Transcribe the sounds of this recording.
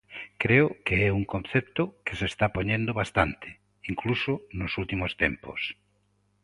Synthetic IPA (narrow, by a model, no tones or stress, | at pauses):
kɾeokeɛuŋkõnθɛp̚t̪okesest̪apoɲẽnd̪oβast̪ant̪ʰe̥ | iŋklusonosult̪imost̪ḛmpo̰s